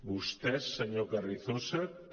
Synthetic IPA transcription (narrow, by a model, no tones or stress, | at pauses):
bust̪ɛsːəɲokariθosa